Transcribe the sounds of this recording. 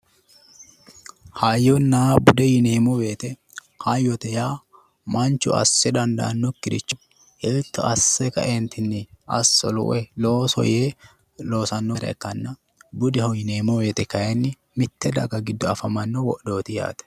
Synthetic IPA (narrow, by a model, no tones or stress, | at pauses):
haːjːɔnːabʊd̪ɛjɪneːmɔwe̞ːt̪ɛ | haːjːɔt̪ɛjaː | mɐnt͡ʃʊ̰ɐ̰sːɛd̪ɐnd̪ɐ̰ʔɐnːɔkːɪɾɪt͡ʃːʊ̥ | ʔeːt̪ːɐʔɐsːɛkɐ̰ʔeːnt̪ɪnːɪʔɐ̰sːɔ̰lʊ̰ʔɛlo̞ːsɔ̰jeː | lo̞ːsɐnːɔɾɛ̰kɐnːɐ | bʊd̪ɛhɔjɪneːmɔweːt̪ɛkɐɛnːɪ | mɪt̪ːɛd̪ɐɡɐɡɪd̪ːɔɐfɐmɐnːɔwɔ̰ʔd̪o̞ːt̪ɪja̰ːt̪ɛ̥